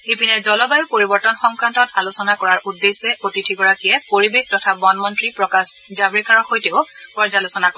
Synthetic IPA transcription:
epinɛzɔlɔbajpoɹibɔɹtɔnxɔŋkɹantɔtalosɔnakɔɹaɹʔudːesɛʔotitʰiɡɔɹakijɛpoɹibextɔtʰabɔnmɔntɹipɹɔkasd͡ʒabɹikaɹɔxojteʊ | kɔɹzalosɔnakɔ

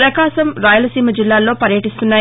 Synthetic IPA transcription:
ɾɐkaːʃɐmɾaːjulɐsiːmɐd͡ʒilːaːlo̞ːpɐɾjɐʈist̪unːaː

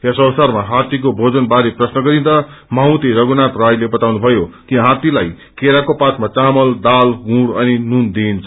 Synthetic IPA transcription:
esʌwsarmaɦãt̪ik̬obʱod͡zʌnbaɾeprʌsnʌɡʌɾind̪a | maũt̪iɾʌɡunat̪rajlebʌt̪awnubʱʌjokiɦãt̪ilaj | keɾakopat̪mat͡samʌld̪alɡũɽʌninund̪iːnt͡sʰ

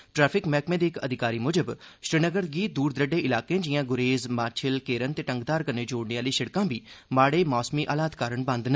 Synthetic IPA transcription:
ʈɾɛːpʰɪkmɛːkmẽːd̪iːkəd̪ʱɪkaːɾiːmʊd͡ʒəbʃɾɪnəɡəɾɡiːt̪̚d̪uːɾd̪ɾəɖẽːʔɪlaːkẽːd͡ʒɪjãːɡʊɾeːzmaːt͡ʃʰɪlkeːɾənt̪eːʈəŋɡd̪aːɾkəɾneːd͡ʒoːɽneːaːliːʃɪɽkãːbiːmaːɽeːmɔːsmiːʔaːlaːt̪kaːɾəɳbə̃nd̪nə

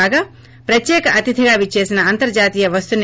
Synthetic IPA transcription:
aːɡɐ | pɾɐt̪jeːkɐʔɐt̪id̪ʰʱiɡaːʋit͡ʃːeːsɐnɐɐnt̪ɐɾd͡ʒaːt̪ijɐʋɐst̪un

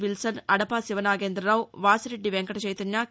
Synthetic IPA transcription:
ʋilsɐnɐɽɐpaːsiʋɐnaːɡeːnd̪ɾɐɾaːwʋaːsɐɾeɖːiʋeŋkɐʈɐt͡ʃɐjt̪ɐnjaː

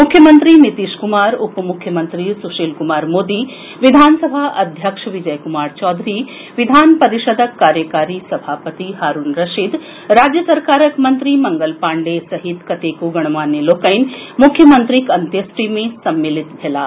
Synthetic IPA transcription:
mʊkʰːjəmənt̪ɾinit̪iːʃkumaːɾupəmukʰːjəmənt̪ɾisuʃiːlkumaːɾmoːd̪i | ʋid̪ʱaːnsɐbʱaːʔɐd̪ʱjəkʂʋid͡ʒɐjkumaːɾt͡ʃɔːd̪ʱɾi | ʋid̪ʱaːnpɐɾiʃəd̪ʱəkːaːɾjəkaːɾisɐbʱaːpət̪iɦaːɾunɾɐʃid̪ | ɾaːd͡ʒjəsɐɾkaːɾəkmɐnt̪ɾimɐŋɡəlpaːɳɖesɐɦit̪kɐt̪eːkuɡɐɽ̃ɐmaːnjəloːkɐjnmukʰːjəmɐnt̪ɾikɐnt̪jəsʈimẽsɐmːilit̪bʱelaː

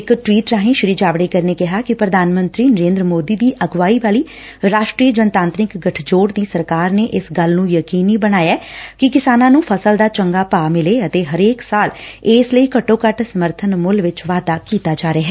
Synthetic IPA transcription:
ɪkʈʋiːʈɾaːɦẽːʃɪɾiːd͡ʒaːʋɽeːkəɾneːkɪɦaːkɪpɾəd̪ʱaːnmə̃nt̪ɾiːnəɾeːnd̪ɾəmoːd̪iːd̪iːʔəɡʋaːiːʋaːliː | ɾaːʃʈɾiːəd͡ʒənət̪ãːnt̪ɾɪkɡəʈʰd͡ʒoːɽd̪iːsəɾkaːɾneːʔɪsɡəlnũːjəkiːniːbəɽ̃aːjaːkɪkɪsaːnãːnũːpʰəsəld̪aːt͡ʃəŋɡaːpaːmɪleːət̪eːɦəɾeːksaːlɪːsləiːkəʈõːkəʈsəməɾt̪ʰənmʊlʋɪt͡ʃʋaːd̪aːkiːt̪aːd͡ʒaːɾeaːɦɛː

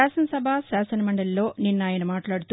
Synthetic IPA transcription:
aːsɐnɐsɐbʱasaːsɐnɐmɐɳɖɐllo̞ːninːaːjɐnɐmaːʈlaːɽut̪u

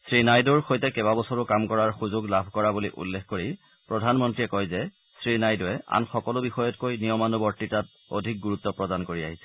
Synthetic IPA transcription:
sɹinajdɔɹxojtɛkɛβabɔsɔɹʊkamkɔɹaɹxuzʊɡlabʱkɔɹabuliʔṵlːexkoɹi | pɹɔdʱanmɔntɹiɛkɔjzɛ | sɹinajdɔɛʔa̰nxɔkɔlʊbixɔjɔtkojnijɔmanubɔɹtitat | o̰dʱik̚ɡuɹut̪ːɔpɹɔdankoɹia̰ɦisɛ̥

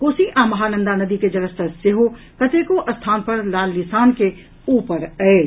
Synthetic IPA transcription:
koːsiʔãːmɐɦaːnə̃nd̪anɐd̪iked͡ʒɐɾəst̪əseɦo | kɐt̪eːkoʔɐst̪ʰaːnpɐɾlaːlːɪsaːnke | uːpəɾɛe

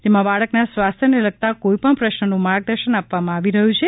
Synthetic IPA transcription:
d͡ʒ̪emãbaɭəknasʋast̪ʰjənelək̚t̪akoipəɳpɾəʃnənũmaɾɡ̚d̪əɾʃənapʋamãaʋiɾəɦũt͡ʃʰe

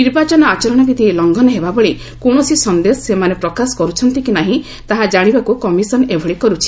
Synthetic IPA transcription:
niɾbat͡ʃɔnɔat͡ʃɔɾɔɽ̃ɔbit̪ilɔŋɡɔnɔɦebabɔɭe | koɽ̃ɔsisɔnd̪esɔsemanepɾɔkasɔ̥kɔɾut͡ʃʰɔnt̪ikinaɦĩ | t̪aɦad͡ʒaɽ̃ibakukɔmisɔnebʱɔɭikɔɾut͡ʃʰi̥

